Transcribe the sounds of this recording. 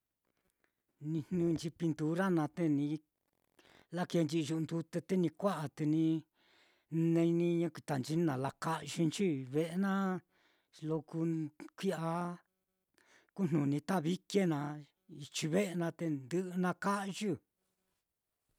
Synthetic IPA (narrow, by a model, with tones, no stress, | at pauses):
nĩ˧nnũ˧nt͡ʃi˧pi˧nt̪u˧ɾa˦nã˧t̪e˧nĩ˧ | la˦ke˧nd͡ʒi˧ʒu˧nd̪u˧t̪e˧t̪e˦nĩ˧kʷa˦ʔa˨t̪e˧nĩ˧ | nẽ˧i˧nĩ˧ɲã˦ki˧t̪a˨nt͡ʃi˧n˦nã˨˧la˧ka˦ʔʒu˧nt͡ʃi˦βe˧˦ʔe˧nã˦ | lo˧ku˧kʷi˦a˧ | ku˦n̥nũ˨nĩ˧t̪a˦˨βi˦ke˦nã˧ | i˧t͡ʃi˧βe˦ʔe˧nã˧t̪e˧nd̪ɨ˦ʔnã˧ka˦ʔʒu˦